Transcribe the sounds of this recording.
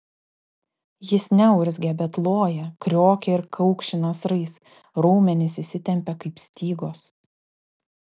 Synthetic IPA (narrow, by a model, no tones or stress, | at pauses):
jɪsnʲɛʊɾʲzʲɡʲɛbʲɛt̪lˠoːjɛkɾʲoːkʲɛɪɾkʰɐʊkʃʲɪnɐsɾɐɪs | ɾuːmʲɛnʲɪsʲɪsʲɪt̪ʲɛmʲpʲɛkɐɪpsʲt̪ʲiːɡoːs